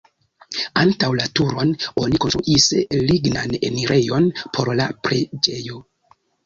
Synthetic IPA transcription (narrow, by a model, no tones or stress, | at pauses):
antawlatuɾo̞no̞nikonst̪ɾṵʔisliɡnane̞̰miɾʔe̞jo̞npʰo̞ɾlapɾe̞d͡ʒe̞jo̞